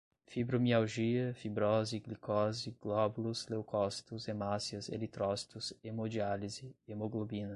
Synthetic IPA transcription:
fibɾomiawʒiɐfibɾɔziɡlikɔziɡlɔbuluslewkʰɔst̪ʊzemasiɐzḛlit̪ɾɔst̪ʊzemod͡ʒializɪemoɡlobinɐ

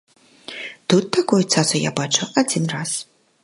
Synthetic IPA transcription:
t̪ut̪ːakɔjut̪sasʊja̰bat͡ʂʊad͡zʲinras

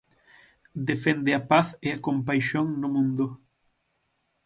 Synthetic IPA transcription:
d̪efend̪ɪɐpaθeɐkõmpajʃoŋnʊmũnd̪ʊ

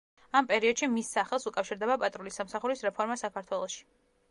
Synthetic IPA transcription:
ampʼɛɾiɔd̪ʃimisːaχɛlˠsukʼafʃiɾd̪ɛbapʼat̪ʼɾulisamsaχuɾisɾɛpʰɔɾmasakʰaɾt̪ʰwɛlˠɔʃi̥

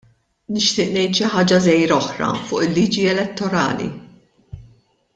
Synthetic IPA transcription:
nɪʃt̪ɪːʔnɛjt̪ʃɪħɐːd͡ʒɐzɛjɾɔħɾɐ̰fʊːʔɪlːiːd͡ʒiɛlɛt̪ːɔɾɐ̰ːlḭ

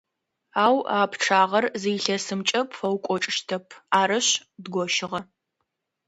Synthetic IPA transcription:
aːwaːpʰʈ͡ʂʰaːʁɐrzijɬɐsɨmt͡ʃʼɐpʰfɐwkʷʼɔʈ͡ʂʼɪʃtʰɐpʰaːɾɨɕdɡʷɔʃɪʁɐ

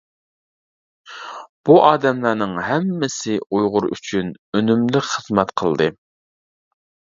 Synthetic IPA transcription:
b̥uʔɑːd̪ɛmlˠɑɾnɨŋɦɛmːɪsɪujʁʊɾy̰t͡ʃʰynønymlɪkʲχəz̥mɛt̪qʰəlˠd̪ɨ

